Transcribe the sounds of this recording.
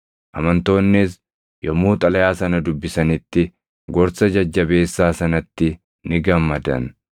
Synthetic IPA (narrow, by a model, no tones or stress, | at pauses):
ʔɐmɐnt̪o̞ːnːɪs | jɔmuːt̪ʼɐlɐjaːsɐnɐd̪ʊbːɪsɐnɪt̪ːɪ | ɡɔɾsɐd͡ʒɐd͡ʒːɐbe̞ːsːaːsɐnɐt̪ːɪ | nɪɡɐmːɐd̪ɐ̰n